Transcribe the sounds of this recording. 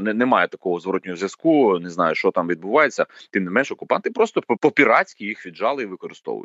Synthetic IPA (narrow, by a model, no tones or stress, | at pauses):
nɛnɛmɑjɛt̪ɐkɔɦɔzʋɔɾɔtʲnʲɔɦɔzʲjʲɐskuneznɑjʊʃt͡ʃɔt̪ɑmʋʲid̪̚bʊʋɑjet͡sʲːɐt̪ɪmnɪmɛnʃɔkʊpɑnt̪ɪpɾɔst̪ɔpɔpʲiɾɑt͡sʲkʲijixʋʲid̪ʒɑlˠɪiʋɪkɔɾɪ̰st̪ɔ̰ʋʊ̰jʊtʲ